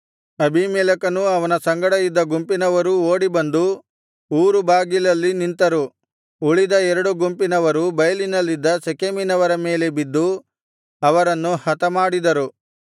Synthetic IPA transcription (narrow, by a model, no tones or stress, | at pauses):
ɐbʱimɛːlɐkɐnuɐʋɐnɐsɐŋɡɐɽɐjid̪ːɐɡumpinɐʋɐɾuoːɽibɐnd̪u | uːɾubaːɡilɐlːinint̪ɐɾu | uɭid̪ɐɛɾɐɽuɡumpinɐʋɐɾubɐjɐlinɐlːid̪ːɐsekeminɐʋɐɾɐme̞ːle̞bid̪ːu | ɐʋɐɾɐnːuhɐt̪ɐmaːɽid̪ɐɾu